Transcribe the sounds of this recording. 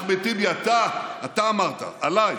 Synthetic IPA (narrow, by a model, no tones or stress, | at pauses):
bet̪ibiat̪aːt̪aːmaʁt̪a̰alaj